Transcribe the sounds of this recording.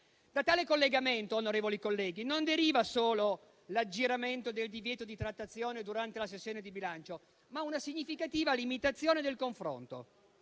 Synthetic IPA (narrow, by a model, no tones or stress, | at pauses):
d̪̥at̪aːlekolːeɡament̪oonoɾeːvolikolːɛːɡinond̪eɾiːvasoːlo | lad͡ʒːiɾament̪od̪eld̪ivjɛːt̪od̪it̪ɾat̪ːat̪sːjoːned̪uɾant̪elasesːjoːned̪ibilant͡ʃo | maunasiɲːifikat̪iːvalimit̪at̪sːjoːned̪elkoɱfɾo̰nt̪o̰